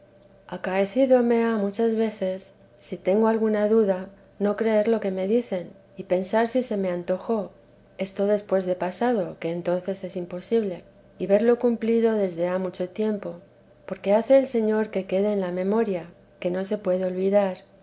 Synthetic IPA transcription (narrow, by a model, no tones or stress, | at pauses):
akae̞θiðo̞me̞amut͡ʃazβe̞θe̞sː | it̪e̞ŋɡo̞alɣunaðuða | no̞kɾe̞eɾlo̞ke̞me̞ðiθe̞n | ipe̞nsaɾsise̞me̞ant̪o̞xo̞ | e̞st̪o̞ðe̞spwe̞zðe̞pasað̞o̞ke̞ːnt̪o̞nθe̞se̞simpo̞siβle̞ | iβe̞ɾlo̞kumpliðo̞ðe̞zðe̞amut͡ʃo̞t̪je̞mpo̞ | po̞ɾke̞aθe̞ːlse̞ɲo̞ɾke̞ke̞ðeːnlamẽ̞mo̞ɾja | ke̞no̞se̞pwe̞ðeo̞lβiðaɾ